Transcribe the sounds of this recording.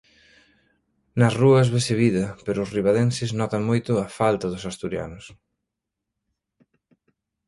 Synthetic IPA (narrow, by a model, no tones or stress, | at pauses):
nɐsruɐzβeseβiðɐpeɾʊːsriβaðensɪznɔt̪ɐŋmojt̪ʊɐfalt̪ɐðʊsast̪uɾja̰nʊs